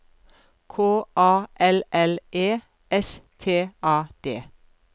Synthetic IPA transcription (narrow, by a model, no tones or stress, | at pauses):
kʰoːʔɑːʔɛlɛleː | ɛst̪ʰeːɑːd̪̥eː